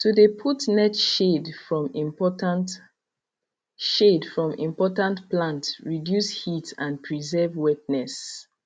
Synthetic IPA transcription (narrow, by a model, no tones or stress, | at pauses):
tudepʰutnɛtʃedfɹɔ̃mĩmpɔtant | ʃedfɹɔ̃mʔḭ̃mpɔtãntplãntɹidjushitãnpʰɹizɛvwɛp̚nɛs